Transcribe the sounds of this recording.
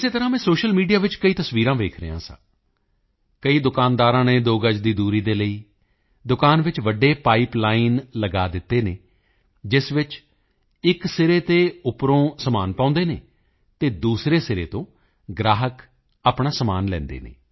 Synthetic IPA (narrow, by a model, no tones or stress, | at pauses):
ɪseːt̪əɾãːmɛ̃ːsoːʃəlmiːɖijaːʋɪt͡ʃkəiːt̪əsʋiːɾãːʋeːkʰɾə̰jã̰ːsã̰ː | kəiːd̪ʊkaːnd̪aːɾãːneːd̪oːɡəd͡ʒd̪iːd̪uːɾiːd̪eːləiː | d̪ʊkaːnʋɪt͡ʃʋəɖeːpaːiːplaːinləɡaːd̪ɪt̪ːeːneː | d͡ʒɪsʋɪt͡ʃ | ɪksɪɾeːt̪eːʊpɾõːsəmaːnpãːʊ̃nd̪eːnḛː | t̪eːd̪uːsɾeːsɪɾḛːt̪õː | ɡɾaːɦək | aːpɳaːsəmaːnlɛ̰̃ːnd̪ḛːnḛː